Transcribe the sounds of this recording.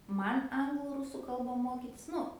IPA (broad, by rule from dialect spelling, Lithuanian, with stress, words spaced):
ˈmɐn ˈɐŋɡlˠʊ ˈrʊsʊ ˈkɐlˠbɐ ˈmoːkʲɪtʲɪs ˈnʊ